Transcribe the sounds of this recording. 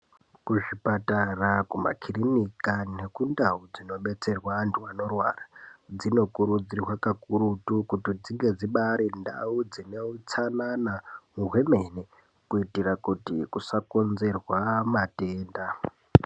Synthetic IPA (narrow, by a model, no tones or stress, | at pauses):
kuʐipatarakuma̰kʰirimikane̞kundaud͡zino̞ɓe̞t͡se̞rwantʰuano̞rwaːrad͡zino̞kuɾud͡zirwakakuɾutukutid͡ziŋɡe̞d͡ziɓaɾinda̰ud͡zineut͡sananamuɦweme̞ne | kuitirakutḭkusakonze̞rwamate̞ːnda